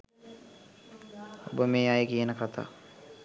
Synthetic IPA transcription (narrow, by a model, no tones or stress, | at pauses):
o̰bəmeːajəkijənəkʰat̪ʰa̰ː